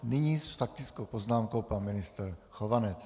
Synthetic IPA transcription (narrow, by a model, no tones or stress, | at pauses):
nɪɲiːsfak̚t̪ɪt͡skowpoznaːmko̞wpanmɪnɪst̪ɾxovanɛt͡s